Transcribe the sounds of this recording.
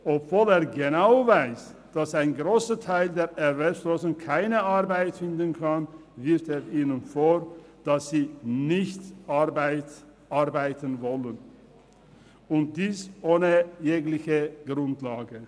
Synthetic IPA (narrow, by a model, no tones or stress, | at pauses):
ʔɔpv̥oːleːɐɡenaʊvaɪs | d̥asaɪnɡʁoːsətʰaɪldeːɐʔɛvɛlsloːzʊŋkʰaɪnəʔaʁbaɪtfɪndənkʰanvɪɐfteːʁʔiːnənfoːd̥asz̥iːnɪçtʔabaɪt | ʔaɐbaɪtənvɔlən | ʊnt̚d̥iːsʔoːnəjeːɡlɪçəɡ̥ʁʊntlaːɡə